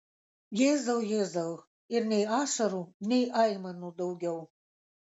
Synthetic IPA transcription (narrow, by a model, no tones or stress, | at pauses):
jezaljezal | irnʲejaʂɐɾunejʔajmanud̪ɐwɡʲaw